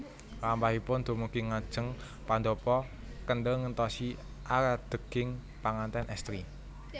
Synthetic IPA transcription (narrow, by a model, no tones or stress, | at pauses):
lampaɦipʊnd̪̥o̤muɡ̥iŋad̥ʒ̥ə̤ŋ | pand̪ɔpɔ | kənɖəŋənt̪ɔsi | ʔaɾad̪̥ə̤ɡ̥ɪŋ | paŋant̪ɛnɛst̪ɾi